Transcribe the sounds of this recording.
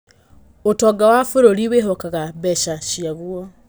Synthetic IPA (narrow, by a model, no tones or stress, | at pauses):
otɔɡawafoɾoɾiweɦɔkaɣabɛʃaʃiaɣwɔ